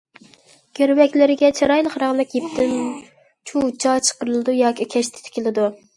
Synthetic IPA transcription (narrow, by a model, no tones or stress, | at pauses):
ɡ̥ʲøɾwɛkʲlɪɾɪɡʲɛt͡ʃʰɑɾɑjlˠəχɾɑʁlˠɨkʲjipt̪ʰɪn | t͡ʃʰut͡ʃʰɑt͡ʃʰə̥qəɾɨlˠɨd̪ujɑːkʲikʲʰɛʃt̪ʰɪ̥t̪ʰɪ̥kʲɪlˠɪd̪u